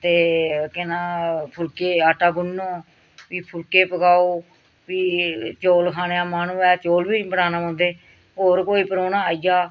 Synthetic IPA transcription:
t̪eːkɪnãːpʰʊlkeːaːʈaːɡʊnːõː | ʋiːpʰʊlkeːpəɡaːoː | ʋiːt͡ʃoːlkʰaːneaːmaːnũːɛːt͡ʃoːlʋiːbəɽaːnãːãːnd̪eː | ɦoːɾkoːiːpəɾoːnãːaːijaː

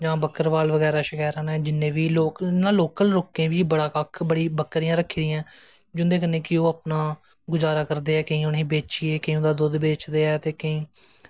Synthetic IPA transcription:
d͡ʒãːbəkəɾʋaːlʋəɡɛːɾaːʃəkɛːɾãːnɛːd͡ʒɪnːẽːʋiːloːknːãːloːkəlɾoːkẽːʋiːbəɽaːkakʰbəɽiːbəkːɾiːãːɾəkʰːiːd̪ɪjãː | d͡ʒʊnd̪eːk̬ənːeːkɪoːaːpnaː | ɡʊzaːɾaːkəɾd̪eːɛːkəĩːʊnĩːbeːt͡ʃiːeːkəĩõːd̪aːd̪ʊd̪beːt͡ʃd̪eːɛːt̪eːkəĩː

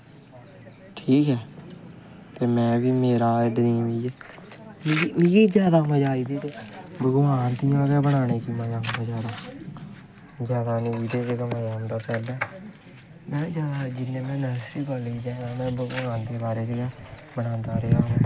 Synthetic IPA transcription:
ʈʰiːkɛː | t̪eːmɛ̃ːʋiːmeːɾaːɪɖnĩːʋiːd͡ʒeːmmiiːd͡ʒjaːd̪aːməd͡ʒaːiːd̪iːt̪eːbəɡoːaːnt̪iːãːɡɛːbəɽ̃aːneːkiːmãːd͡ʒãːbəd͡ʒaːɾaː | zjaːd̪aːneiːt̪eːd͡ʒeːkəməd͡ʒaːnd̪aːpɛːld̪aː | mɛ̃ːd͡ʒaːdad͡ʒɪnːẽːmɛ̃ːnəsiːkɔːliːd͡ʒeːãːmɛ̃ːbəɡoːaːnd̪eːbaːɾeːd͡ʒia | bəɽãːnd̪aːɾeaːɦõː

